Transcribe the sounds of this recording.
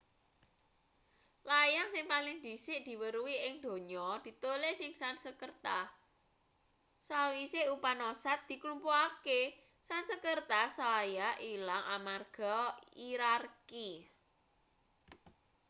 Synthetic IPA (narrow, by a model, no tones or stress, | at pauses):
lajaŋsɪŋpalɪŋd̪i̤sɪʔd̪̥i̤wəɾuwiɪŋd̪̥o̤ɲɔd̪̥i̤t̪olesɪŋsansəkərt̪a | sawiseupanosat̪̚d̪̥i̤klumpoake | sansəkərt̪asajaʔilaŋamarɡ̥ɔiɾarki